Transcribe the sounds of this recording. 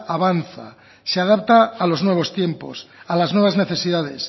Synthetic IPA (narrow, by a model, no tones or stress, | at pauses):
aβanθa̰ | seaðap̚t̪aːlo̞znwe̞β̞o̞st̪je̞mposalaznwe̞β̞azne̞θe̞siðað̞es